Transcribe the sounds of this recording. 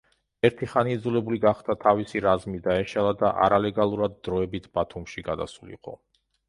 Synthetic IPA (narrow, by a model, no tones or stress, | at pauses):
ɛɾt̪ʰiχaniːd̪zulɛbuliɡaχd̪at̪ʰavisiɾazmid̪aɛʃalˠad̪aʔa̰ɾalɛɡalˠuɾad̪̚ːɾɔɛbit̪ʰb̥at̪ʰumʃiɡad̪a̰sulḭqʼɔ̰